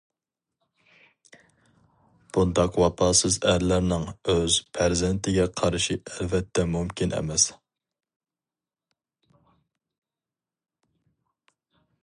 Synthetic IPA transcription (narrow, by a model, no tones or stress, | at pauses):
b̥und̪ɑqwɑpʰɑːsɨzæɾlæɾnɪŋøzpʰæɾzɪnt̪ʰɪɡʲɛqʰɑɾʃiɛlvɛt̪ʰːɛmumkʲinɛ̰mɛs